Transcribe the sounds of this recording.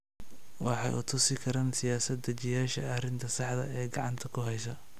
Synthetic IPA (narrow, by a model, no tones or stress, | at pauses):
wɑħɑ̰jʔʊ̰t̪ʰʊsɪkʰɐɾaːnsɪjaːsɐd̪ɐt͡ʃɪjaːʃɐɐrɪnt̪ʰɐsɑħd̪ɐ̰ɛːɡɑʕɑnt̪ʰɐkʰʊɦɛjsɐ